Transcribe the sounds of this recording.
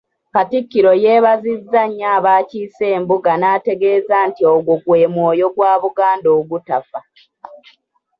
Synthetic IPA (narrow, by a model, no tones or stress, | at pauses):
katikːiɾo̞je̞ːβazizːaɲːaːβaːciːse̞ːmbuɡanaːte̞ɡe̞ːzaːntioɡoɡwe̞ːmwoːjo̞ɡwaːβuɡaːndo̞ːɡutafa